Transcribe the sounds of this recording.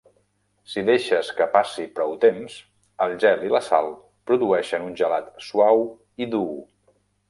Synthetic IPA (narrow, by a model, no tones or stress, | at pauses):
siðeʃəskəpasipɾɔwt̪ens | əlˠʒɛliləsa̰lˠ | pɾuðuɛʃənunʲʒəlat̪suaw | iðu